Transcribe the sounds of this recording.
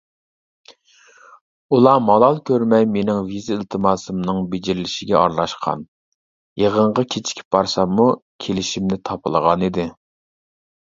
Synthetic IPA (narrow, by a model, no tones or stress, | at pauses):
ulˠɑmɑlˠɑlˠkʲʰøɾmɛjmenɪŋvizɨilt̪ʰɨmɑːsɨmnɨŋbed͡ʒɪɾɪlɪʃɪɡʲɛɑɾlˠɑʃqʰɑ̰n | jeʁəɴʁɑkʲʰet͡ʃʰi̥kʲʰi̥b̚b̥ɑɾsɑmːukʲʰelɪʃimnɪt̪ʰɑpʰɨlˠəʁɑnid̪ɪ